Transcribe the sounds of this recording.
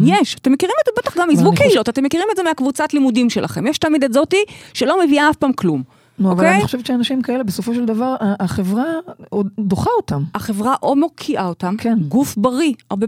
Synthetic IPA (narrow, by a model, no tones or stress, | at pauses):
jeʃat̪emːekiʁimetzebet̪aχɡamizvukeilot̪at̪emːekiʁimetzemiakvut͡satlimudimʃe̞lʔa̰χe̞mjeʃt̪almid̪etzotiʃelo̞meviaafpamklum | nuovaleajiiχoʃevet̪t͡ʃeanaʃimkaelebeso̞foʃeld̪avaʁaaχevʁaod̪oχaotamaχevʁaʔo̞mokʰiʔaotamkʰenɡufbaʁiaʁbe